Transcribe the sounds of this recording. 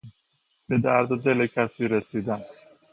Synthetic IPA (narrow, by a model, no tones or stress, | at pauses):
b̥ed̪æɾd̪d̪elecʰæsiːɾesiːd̪æm